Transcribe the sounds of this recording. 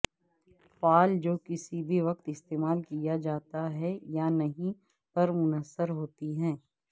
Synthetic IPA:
faːld͡ʒoːkɪsibʱiʋɐqt̪ɪst̪eːmaːlkijad͡ʒaːt̪aɦɛjanɐɦĩ | pɐɾmʊnəsːəɾɦoːt̪iɦɛ̃ː

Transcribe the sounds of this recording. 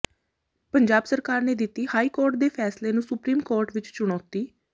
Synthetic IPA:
pəɲd͡ʒaːbsəɾkaːɾneːd̪ɪt̪ːiːhaːiːkoːɾʈ̚d̪eːpʰɛːsleːnũːsʊpɾiːmkoːɾʈʋɪt͡ʃt͡ʃʊɽ̃ɔ̃ːt̪iː

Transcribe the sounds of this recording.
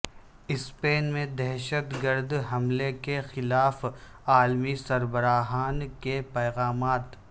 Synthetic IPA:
ɪspeːnmẽd̪ɛɦʃət̪ɡəɾd̪ɦɐmlekexɪlaːf | aːlmisɐɾbəɾaːɦaːnkepɛːɣaːmaːt̪

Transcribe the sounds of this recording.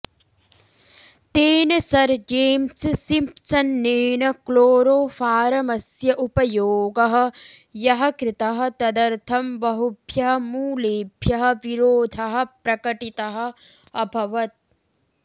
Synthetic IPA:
t̪eːnɐsɐɾd͡ʒeːmssimpsɐnːeːnɐkloːɾoːfaːɾɐmɐsjɐʔupɐjoːɡɐɦɐ̆jɐɦɐkɾɪt̪ɐɦɐ̆t̪ɐd̪ɐɾt̪ʰɐmbɐɦubʱjɐɦɐmuːleːbʱjɐɦɐ̆ʋiɾoːd̪ʱɐɦɐ̆pɾɐkɐʈit̪ɐɦɐ̆ | ɐbʱɐʋɐt̪̚

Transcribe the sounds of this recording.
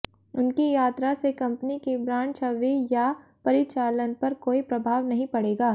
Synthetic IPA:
ʊnkijaːt̪ɾasekɐ̃mpnikebɾãːt͡ʃɐʋejapɐɾɪt͡ʃaːlənpɐɾkoːipɾɐbʱaːʋnɐɦĩpɐɽeːɡaː

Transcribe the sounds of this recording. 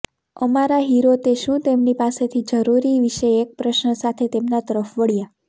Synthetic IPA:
əmaɾaɦiɾot̪eʃũt̪emnipaset̪ʰid͡ʒəɾuɾiʋiʃeek̚pɾəʃnəsat̪ʰet̪emnat̪əɾəfʋəɭja

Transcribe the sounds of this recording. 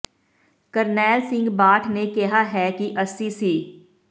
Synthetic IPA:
kəɾnɛːlsɪ̃ŋɡbaːʈʰnekeɦaɦɛkiʔəsisiː

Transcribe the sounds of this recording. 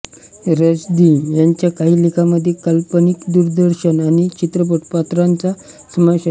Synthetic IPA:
ɾəd͡zd̪ijaɲt͡ɕjakaɦiːlikʰaməd̪ʱːjekəlpənikd̪uɾd̪əɾɕənañit͡ɕit̪ɾəp̬oʈ̚pat̪ɾant͡sa | səməɕa

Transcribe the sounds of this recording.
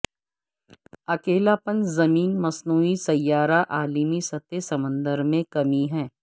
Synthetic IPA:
ɐkeːlapə̃nzɐmiːnmɐsnuːisɐjːaːɾaʔaːlimisɐt̪esɐmə̃nd̪əɾmẽkɐmiɦɛ̃ː

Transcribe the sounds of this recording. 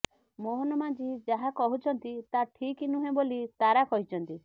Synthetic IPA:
moɦɔnɔmãd͡ʒid͡ʒaɦakɔɦut͡ʃʰɔnt̪it̪aʈʰikinuɦẽbolit̪aɾakɔɦit͡ʃʰɔnt̪i

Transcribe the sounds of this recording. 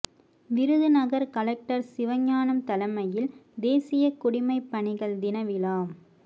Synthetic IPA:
ʋɪɾɯðɯnɐɣɐɾkɐlɐk̚ʈɐɾsɪʋɐɲːaːnɐmt̪ɐlɐmɐjɪld̪eːsɪjɐkʊɽɪmɐɪpːɐɳɪɣɐɭd̪ɪnɐʋɪlaːm

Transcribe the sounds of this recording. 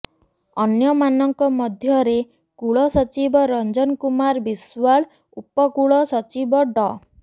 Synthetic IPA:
ɔnjɔmanɔŋkɔmɔd̪ʱjɔɾe | kuɭɔsɔt͡ʃibɔɾɔnd͡ʒɔnkumaɾbiswaɭ | upɔkuɭɔsɔt͡ʃibɔɖɔ

